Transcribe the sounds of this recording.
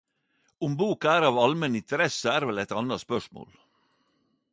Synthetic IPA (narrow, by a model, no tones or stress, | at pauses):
ʊmbuːkæːɾɑːʋɑlmɛnɪnt̪ʰəɾɛsəæːɾʋɛlɛɪt̪ɑnɑspœʂmo̰ːl